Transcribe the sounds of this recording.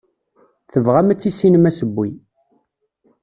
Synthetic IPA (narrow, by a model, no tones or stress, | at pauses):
θəvʁæmæt͡sːisinəmæsəbːi